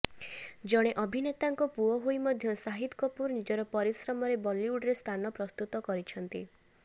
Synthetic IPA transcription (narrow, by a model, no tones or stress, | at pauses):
d͡ʒɔɽ̃eʔɔbʱinet̪aŋkɔpuɔɦoimɔd̪ʱjɔsaɦid̪kɔpuɾnid͡ʒɔɾɔpɔɾisɾɔmɔɾebɔliuɖɾest̪ʰanɔpɾɔst̪ut̪ɔkɔɾit͡ʃʰɔnt̪i